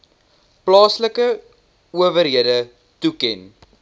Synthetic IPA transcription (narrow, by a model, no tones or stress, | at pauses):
plɑːsləkə | uəvəɾɦiədə | tukɛn